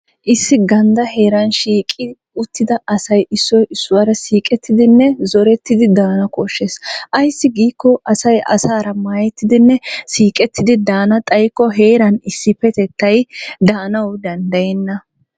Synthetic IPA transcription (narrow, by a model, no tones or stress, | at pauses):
ʔɪsːɪɡɐnd̪ɐɦe̞ːɾɐnʃiːkʼɪ | ʊt̪ːɪd̪ɐʔɐsɐjʔɪsːɔjʔɪsːʊwɐɾɐsiːkʼɛt̪ːɪd̪ɪnːɛzɔɾɛt̪ːɪd̪ɪd̪aːnɐkɔʃːesʔɐjsːɪɡiːkːɔʔɐsɐjʔɐ̰saːɾɐmaːjɛt̪ːɪd̪ɪnːɛsiːkʼɛt̪ːɪd̪ɪd̪aːnɐt̪ʼɐjkːɔɦe̞ːɾɐnɪsːɪpɛt̪ɛt̪ːɐjd̪aːnɐwd̪ɐnd̪ɐjɛnːɐ